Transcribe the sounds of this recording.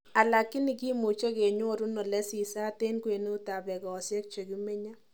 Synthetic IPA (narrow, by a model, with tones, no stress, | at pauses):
a˨la˨kːi˦ni˨ki˦mu˨t͡ʃe˦ke˨ɲʊ˦ɔ˦˨ɾu˦nɔ˨lɛ˦si˨sa˦te˦nkwe˨no˦ta˨bɛ˨ɡɔ˨sjɛ˦k̚t͡ʃe˨ɡi˦me˦ɲa˦